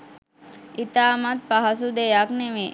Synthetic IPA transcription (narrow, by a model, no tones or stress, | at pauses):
it̪aːmat̪̚paɦɐsud̪ejakneʋe